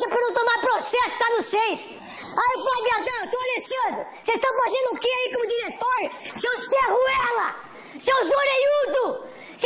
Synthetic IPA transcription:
ɛpɾɐnɐ̃w̃t̪õmaɾpɾosɛsʊ̥t̪anʊsejs | ajopabiat̪ɐ̃w̃et̪oalesiozʊ | sezt̪ɐ̃w̃kazẽnd̪ʊːkeaikõmʊd͡ʒ̪iɾet̪oɾsewsʁuɛlɐ | sewzoɾejud̪ʊ | s

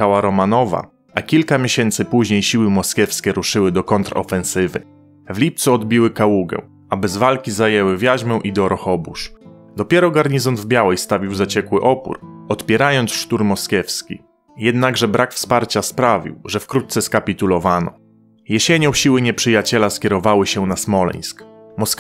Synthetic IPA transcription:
xawaɾɔmanɔva̰ | akʲilkamʲjeɕɛnt̪sɘpuʑɲejɕiwɘmɔskʲjɛfskʲɛɾuʂɘwɘd̪ɔkɔnt̪ɾɔ̰fɛ̃ñsɘvɘ̰ | vlʲip̚t̪suɔd̪bʲiwɘkawuɡɛ̰̃ | abɛzvalkʲizajɛwɘvʲjaʑmɛw̃ʔid̪ɔɾɔxɔbṵʂ | d̪ɔpʲjɛɾɔɡaɾɲizɔnd̪vbʲjawɛjst̪avʲiwzat͡ɕɛkwɘʔɔpṵɾɔt̪pʲjɛɾajɔnt̪sʂt̪uɾmɔskʲɛfskʲḭ | jɛd̪naɡʐɛbɾʔakfspaɾt͡ɕaspɾavʲḭwʐɛfkɾut̪t̪sɛskapʲit̪ulɔvanɔ̰ | jɛɕeɲɔ̃w̃ɕiwɘɲɛpʂɘjat͡ɕɛlaskʲɛɾɔvawɘɕɛnasmɔlɛ̰j̃skmɔs

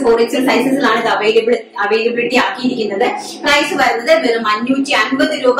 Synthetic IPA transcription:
poːret͡ɕːolprɐjsɐsilaːɳɐðɨɐʋejlɐbɽɨ | ɐʋejlebiɽʈ̪ːiaːkːijiɾikʲːunːɐðɨ | prɐjsɨʋɐɾɐnːɐðɨmelɐmɐnːuːtːiɐnbɐðɨɾuːb

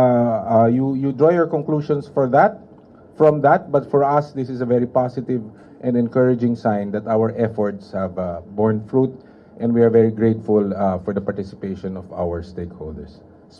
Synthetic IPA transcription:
jujud̪ɹɔjɔɹkɔ̃ŋkluʃɔ̃nsfɔɹðæt̪̚ | fɹɔ̃mðat̪̚bɐt̪fɔɹɐsd̪ɪsɪsɐvɛɹipasɪt̪ɪv | ʔɛ̃nd̪ɛ̃nkəɹɪd͡ʒɪ̃ŋsãjnd̪ɐt̪awəɹʔɛfɔɹt̪shɛvbɔɹnfɹut̪̚ | ʔɛ̃nd̪wiaɹvɛɹiɡɹet̪fʊlfɔɹd̪ɐpaɹt̪ɪsɪ̥peʃɔ̃nɔva̰wəɹst̪eɪkhold̪ɛ̰ɹs

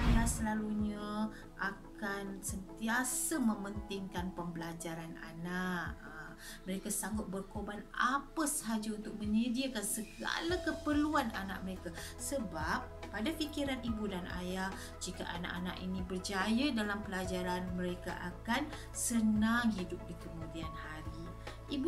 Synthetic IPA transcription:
ʔajasəlaluɲa | ʔakansənt̪iasamə̃mənt̪ɪŋkanpəmbəlad͡ʒaɾana̰naʔə | məɾekasaŋɡʊt̪̚bərkobana̰pəsəɦad͡ʒaunt̪ʊk̚mənədiəkansəɡa̰lakəpərluana̰na̰ʔ̚məɾeka | səbapːadafikiɾanibudana̰jah | d͡ʒika̰ʔana̰ʔana̰ʔḭnĩbərd͡ʒajadalampəlad͡ʒaɾanmə̃ɾeka̰ʔakan | sənaŋɦidʊp̚dikəmudianhaɾi | ib

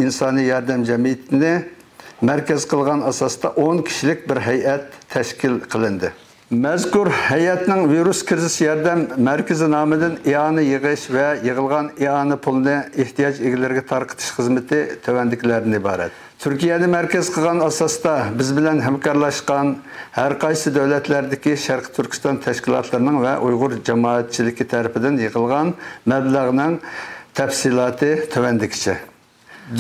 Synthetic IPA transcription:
insɑːnɨjjɑɾd̪ɛmd͡ʒɛmijɪt̪ʰɪnɪ | mɛɾkʲɛz̥qʰəlˠʁɑnɑsɑst̪ɑʔoŋkʲʰi̥ʃilɪkʲbɪɾɦɛjʔɛt̪ʰːɛʃkʲilqʰəlˠɨnd̪ɨ | mɛzkuɾhɛjɛt̪nɪŋviɾuskʲɪɾzɪʃjɑɾd̪ɛmːɛɾkʲɪzɪnɑːmɨd̪ɨneɑːnɨjəʁəʃvɛjəʁəlˠʁɑneɑːnɨpʰulˠɨnɨeht̪ijɑd͡ʒeɡʲɪlɪɾɪɡʲɛt̪ʰɑɾqʰə̥t̪ʰɨ̥ʃχəzmɪt̪ʰɪt̪ʰøwɛnd̪ɪkʲʰlæɾnɪibɑːɾɛ̰t̪ | t̪ʰyɾkʲijɛd̪ɛmæɾkʲɛz̥qʰəlˠʁɑnɑsɑsd̪ɑbɪzbɪlɛnɦæmkʰɑɾlˠɑʃqɑnhæɾqʰɑjsɨd̪æwlɛt̪læɾd̪ɪkʲiʃæɾqʰə̥t̪ʰyɾkʲi̥st̪ɑnt̪ʰɛʃkʲilˠɑ̰t̪ʰlˠɨɾɨnɨŋvɛʔujʁʊɾd͡ʒɑmɑːɛt̪̚t͡ʃʰilɪkʲit̪ʰɛɾɪpʰɪd̪ɪnjəʁəlˠʁɑnmɛblæʁnɨŋt̪ʰɛfsilˠɑːt̪ʰɨt̪ʰøwɛnd̪ɪkʲi̥t͡ʃʰɪ

